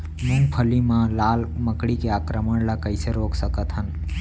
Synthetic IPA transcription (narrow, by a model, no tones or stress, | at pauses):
nũmpʰəlimãlaːlməkɽikeakɾəməɳ̃lakəɪseɾoːksəkət̪ɦən